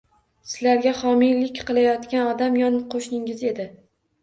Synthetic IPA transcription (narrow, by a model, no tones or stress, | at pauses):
sɪ̥laɾɡʲaχɒmilɪkʲqɨlˠajɒt̪kʲanɒd̪amjɒnqʰoʃnɪŋɪze̞d̪ɪ